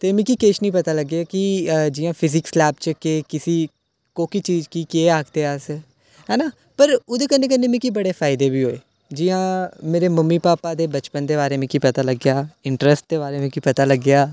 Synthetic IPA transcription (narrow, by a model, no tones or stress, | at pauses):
t̪eːmɛ̃ːkiːkeʃnĩːpət̪aːləɡːjaːkid͡ʒɪːãːpʰɪzɪkslɛːbt͡ʃəkeːkɪsiː | koːkiːt͡ʃiːd͡ʒkiːkeːaːkʰt̪eːaːs | ɦɛːnaː | pəɾʊːd̪eːkənːeːkənːẽːmɛ̃ːkibəɽeːfʰaːɪd̪eːbiːɦoːeː | d͡ʒɪjãːmeːɾeːməmːiːpaːpaːd̪eːbət͡ʃpənd̪eːbaːɾeːmɛ̃ːkiːpət̪aːləɡjaːɪɳʈɾəsʈ̚d̪eːbaːɾeːmɛ̃ːkiːpət̪aːləɡːejaː